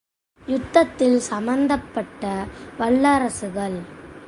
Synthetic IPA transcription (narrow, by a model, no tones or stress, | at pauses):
jʊt̪ːɐt̪ːɪlsɐmɐnd̪ɐpːɐʈːɐʋɐɭːɐɾɐsɯɣɐɭ